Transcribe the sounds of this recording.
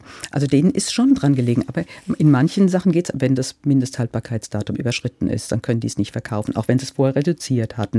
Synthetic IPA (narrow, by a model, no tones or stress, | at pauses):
ʔa̰lzodeːnənʔɪstʃoːndʁanɡəleːɡŋ̩ʔaːbɐʔɪnmançən̩zaχn̩ɡeːtsvɛndasmɪndəsthalt̚b̥aːɐkʰaɪt͡sd̥aːtʊmʔy̰ːbɐʃʁ̥ɪtn̩ʔɪ̰std̥ankʰœnəndiːsnɪçtfɛɐkʰaʊfn̩ʔa̰ʊxv̥ɛnzisfoːɐheːɐʁedut͡siːɐthatn̩